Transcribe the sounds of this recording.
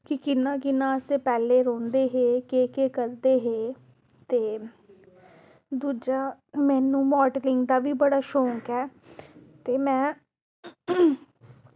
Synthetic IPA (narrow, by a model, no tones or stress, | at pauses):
kɪkɪnãːkɪnːãːəsepɛːleːɾõːnd̪eːɦeːkeːkeːkəɾd̪eːɦeː | t̪eː | d̪uːd͡ʒaː | mɛːnũːmɔːɖlɪŋɡd̪aːʋiːbəɽaːʃõːŋkɛː | t̪eːmɛ̃ː